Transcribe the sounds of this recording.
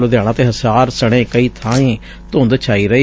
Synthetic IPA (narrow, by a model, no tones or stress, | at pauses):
loːd̪jaːɽ̃ãːt̪eːɦəsaːɾsəɽ̃ẽːkəiːt̪ʰãːẽː | t̪õːnd̪t͡ʃʰaːiːɾəeː